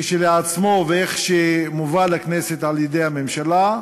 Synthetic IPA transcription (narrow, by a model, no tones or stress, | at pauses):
ʃeleat͡smo̞veeχʃemuvalakneset̪ʕaljed̪ejhamemʃala